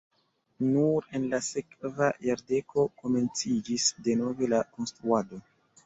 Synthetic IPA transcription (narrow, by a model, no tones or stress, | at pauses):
nuɾe̞nlase̞kvajaɾde̞kʰo̞ko̞me̞nt͡sid͡ʒisde̞no̞ve̞lako̞nstɾuado̞